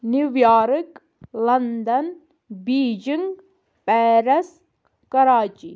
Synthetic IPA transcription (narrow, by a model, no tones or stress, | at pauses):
niʋjaːɾɨk | lɐnd̪ɐn | biːd͡ʒiŋɡ | pɛːɾɐs | kɐɾaːt͡ʃi